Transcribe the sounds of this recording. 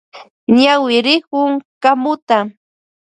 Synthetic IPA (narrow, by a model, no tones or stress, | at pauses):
ɲawɪɾɪkʊŋkamʊt̪a